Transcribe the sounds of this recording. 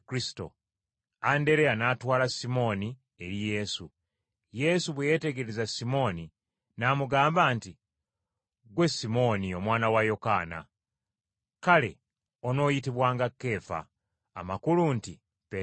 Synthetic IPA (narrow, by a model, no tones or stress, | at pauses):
kɾisi̥to̞̰ | ande̞ɾe̞anaːtwaːlasimo̞ːni | e̞ɾije̞su | je̞suβweje̞ːte̞ɡeɾezasimo̞ːni | naːmuɡaːmbaːnti | ɡwe̞simo̞nio̞mwaːnawajo̞kaːna̰ | kale̞̰ | o̞no̞ːjitiβwaːŋɡakːe̞ːfa̰ː | makulunti | pe